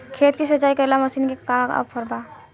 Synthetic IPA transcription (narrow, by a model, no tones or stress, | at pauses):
kʰet̪kisət͡ʃaikəelaməsiːnkekakə̰bpʰəɾba